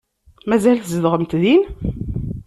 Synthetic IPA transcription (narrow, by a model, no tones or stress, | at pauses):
mæzælθzəðʁəmt̪ðin